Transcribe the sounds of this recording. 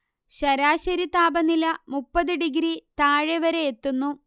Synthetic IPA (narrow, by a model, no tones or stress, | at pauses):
ɕɐɾaːɕɐɾit̪aːbɐnilɐmupːɐðɨɖiɡɾit̪aːɻeʋɐɾeet̪ːunːu